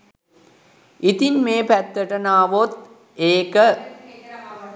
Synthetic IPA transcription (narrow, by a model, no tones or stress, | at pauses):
ʔit̪inmeːpæt̪ːəʈɐnaːʋot̪̚ | eːkə